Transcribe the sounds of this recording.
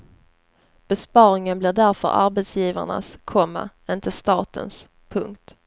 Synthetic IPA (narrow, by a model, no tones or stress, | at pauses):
b̥ɛspɑːɾɪŋənblɪɖæɾfœ̰ɾa̰ɾbɛt̪sjiːva̰ɳa̰skʰɔmːa̰ | ɪnt̪əst̪ɑːt̪ə̰ns | pʰɵ̰ŋk̚t̪